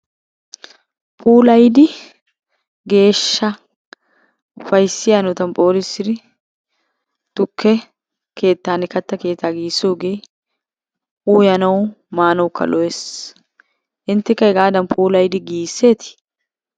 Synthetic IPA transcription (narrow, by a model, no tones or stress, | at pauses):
pʼuːlɐjd̪ɪ | ɡe̞ːʃːɐ | ʊfɐjsɪjɐnʊt̪ɐmpʼo̞ːɾɪsɪɾɪ | t̪ʊkːɛ | kʰe̞ːt̪ːaːnɪkɐt̪ːɐke̞ːt̪ːaːɡiːsoːɡej | ʔuːjɐnɐw | maːnɐwʊkːɐ̰lɔɛs | ʔɪnt̪ːɪkːɐɪɡaːd̪ɐnpʼuːlɐjd̪ɪɡiːsːeːt̪ɪ̥